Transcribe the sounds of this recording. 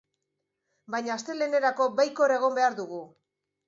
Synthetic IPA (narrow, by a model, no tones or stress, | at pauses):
bajɲaːst̪e̞le̞ne̞ɾako̞bajkoɾaeɣ̞o̞mbe̞aɾðuɣ̞u